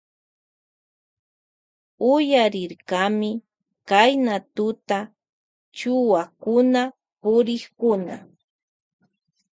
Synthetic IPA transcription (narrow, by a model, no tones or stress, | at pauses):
ʊjaɾɪɾkamɪ | kajnat̪ʊt̪a | t͡ʃʊwakʊna | pʊɾɪχkʊna̰